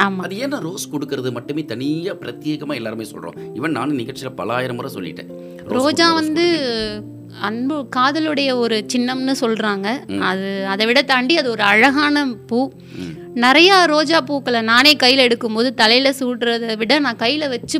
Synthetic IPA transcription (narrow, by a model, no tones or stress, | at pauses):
aːmaːɐðɯɛnːɐɾoːskɔɽɯkːɯɾɐðɯmɐʈːɯmeːt̪ɐnɪjapɪɾɐt̪jeːɣɐmaːɛlːaːɾɯmeːsɔ̰lrõ̰ːɪʋɐɳnaːnɯnɪɣɐɭt͡ʃːɪlɐpɐ̰laːjɪɾɐmʊɾɐsɔ̰lːɪ̰ʈːɯ̰ | ɾoːd͡ʒaːʋɐnd̪ɯ | ɐɳbɯkaːðɐlɯɽɐjɐɔɾɯt͡ʃɪnːɐmnɯsɔlɾaːŋɡɐɐðɯɐðɐʋɪɽɐt̪ɐɳɖiɐðɯɔɾɯɐɻɐɣaːnɐpuː | nɪɾɐjaːɾoːd͡ʒaːpuːkːɐɭɐnaːneːkɐjːɪlɛɽɯkːɯmpoːðɯt̪ɐlɐɪjɪlɐsuːʈɾɐðʋɪɽɐnãːkɐjːɪlɐʋɐt͡ʃːɯ